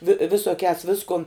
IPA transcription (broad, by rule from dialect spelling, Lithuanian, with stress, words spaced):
ʋʲɪ ʋʲɪsoːˈkʲæːs ˈʋʲɪskʊn